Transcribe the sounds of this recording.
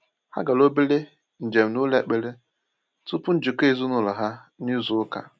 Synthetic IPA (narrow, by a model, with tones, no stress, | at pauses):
ha̰˦ɡa˨lo˦bi˦le˦ | n̩˨d͡ʒe˨m̩˨nu˦le˨k͡pe˦le˦ | tʊ˦pʊ˦n̩˦d͡ʒi˨ke˦˨zu˦nʊ˦lɔ˨ɦa˦ | ni˦zʊ˦ʊ˦ka̰˨